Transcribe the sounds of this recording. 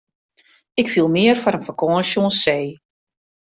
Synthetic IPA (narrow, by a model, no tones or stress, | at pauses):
ɪkfilˠmɪərfɔɾənfəkʰɔːnʃjonsːeː